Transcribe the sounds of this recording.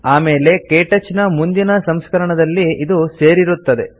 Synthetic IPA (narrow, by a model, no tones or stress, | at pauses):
aːme̞ːle̞keːʈɐt͡ʃːinɐmund̪inɐsɐmskɐɾɐɳɐd̪ɐlːiid̪use̞ːɾiɾut̪ːɐd̪e̞̰